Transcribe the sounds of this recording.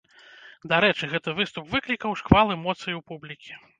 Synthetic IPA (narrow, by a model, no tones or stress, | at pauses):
d̪aɾɛt͡ʂɨɣɛt̪ɐvɨst̪upvɨklʲikɐwʂkvalˠɛmɔt̪sɨjiwpublʲikʲi̥